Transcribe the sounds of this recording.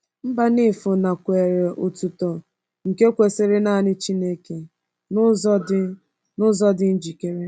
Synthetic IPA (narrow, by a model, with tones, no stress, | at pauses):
m̩˦ba˦nɪ˦˨fʊ˨na˨kʷe˨ɾe˨ʔʊ˨tu˨tɔ˨ | ŋ̩˨ke˦kʷe˨sɪ˦ɾɪ˦na˦˨nɪ˦t͡ʃi˦ne˦ke˨ | nʊ˦zɔ˦dɪ˦ | nʊ˦zɔ˦dɪ˦n̩˦d͡ʒi˨ke˨ɾe˦